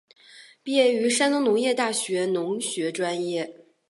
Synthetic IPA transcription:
pi˥˧jɛ˥˩y˧˥ʂa˥nnʊ˧˥ŋnʊ˧˥ŋjɛ˥˧t̪a˥˩ɕɥɛ˧˥nʊ˧˥ŋɕɥɛ˧˥ʈ͡ʂwa˥njɛ˥˩

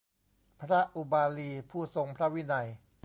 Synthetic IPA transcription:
pʰɾa˦˥ʔu˧baː˧liː˧pʰuː˥˩so˧ŋpʰɾa˦˥wi˦˥na˧j

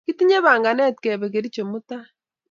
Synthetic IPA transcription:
ki˦ti˦ɲe˦βa˨ŋɡa˨nɛ˦tkɛ˨βɛ˨ke˨ɾi˦t͡ʃo˨mu˦ta˦

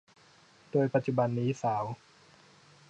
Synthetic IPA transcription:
doː˧jpa˧˥t̪̚t͡ɕu˧˩ba˧nːiː˦˥saː˩˦w

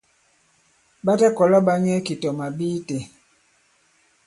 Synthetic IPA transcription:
ba˦tɛ˦kɔ˨la˦ba˦ɲɛ˦ki˨tɔ˨ma˨biː˦te˨

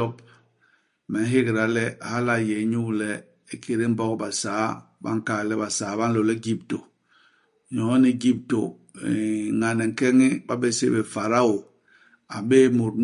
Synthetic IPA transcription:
ɔ˦p | mɛ˨n˦ɦe˦ɡɾa˨lɛ˦a˨ha˦la˦˨je˨˦ɲu˦˨lɛ˦ | e˦kʰe˨ɾe˦m̩˦bɔ˦kba˨saː˨˦ba̰˦ŋ˨ka˨lɛ˦ba˨saː˨˦ba˦n˦lo˨lɛ˦ɡi˦p̚to˨ | ɲɔ̃˨˦ni˦ɡi˦p̚to˨ | ŋa˨nɛ˨ŋ̩˨kɛ˦ŋi˦ba˦be˦sḛ˦be˨fa˨ɾa˦o˨ | a˨be˦mu˨ɾn

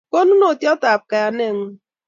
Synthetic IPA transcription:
ko˦nu˦no˨tjɔ˦ta˨p̚ka˨a˨ne˦˨ŋ̩˦

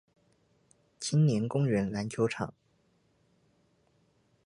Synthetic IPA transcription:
t͡ɕʰi˥nnjɛ˧˥nkʊ˥ŋɥɛ˧˥nla˧˥nt͡ɕʰjo˧˥ʊʈ͡ʂʰɑ̰˨˩˦ŋ

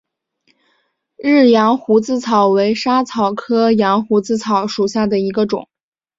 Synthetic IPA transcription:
ɻ̩˥˩jɑ˧˥ŋxu˧˥t͡sɹ̩˥˩t͡sʰɑ˨˩ʊwe˧˥ɪʂa˥t͡sʰɑ˨˩ʊkʰɤ˥jɑ˧˥ŋxu˧˥t͡sɹ̩˥˩t͡sʰɑ˨˩˦ʊʂu˨˩ɕja˥˩d̪ə˩i˧˥ɡə˧ʈ͡ʂʊ̰˨˩˦ŋ

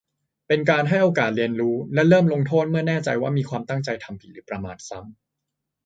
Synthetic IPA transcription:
pe˧nkaː˧nɦa˥˩jʔoː˧kaː˨˩t̪̚ɾi˧ənɾuː˦˥lɛ˦˥ɾɤː˥˩mlo˧ŋt̪ʰoː˥˩t̪̚mɯ˥˩ɐnɛː˥˩t͡ɕa˧jwaː˥˩miː˧kʰwaː˧mt̪a˥˩ŋt͡ɕa˧jt̪ʰa˧mpʰi˨˩ɾɯː˩˦˥pɾa˧maː˧˩t̪̚sa˦˥˩m

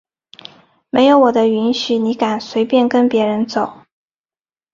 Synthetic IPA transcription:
me˧˥ɪjo˧˥ʊwɔ˨˩d̪ə˦y˧˥nɕy˨˩ni˧˥ka˨˩nswe˧˥ɪpjɛ˥˩nkə˥npjɛ˧˥ɻə˧˥nt͡so˨˩˦ʊ

